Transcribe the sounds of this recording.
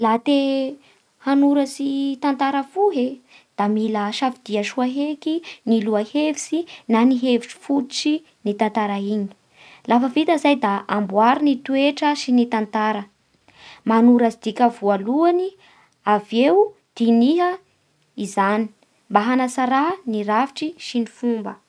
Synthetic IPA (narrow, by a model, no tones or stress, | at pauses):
lat̪e | hanuɾəsit̪ant̪aɾəfuɦe | d̪̥amiləʃafid̪̥iaʃuaɦekiniluahevisinaniɦevit͡ʃi̥fuut͡si | nit̪ant̪aɾaiɲi̥ | lafəvit̪əzajd̪aambwaɾinit̪ueʈ͡ʂəʃinit̪ant̪aɾə | manuɾazid̪̥ikʲəvualuani | aveu | d̪̥iniɦə | izani̥ | mbaɦanasaɾaniɾaviʈ͡ʂiʃinifumbə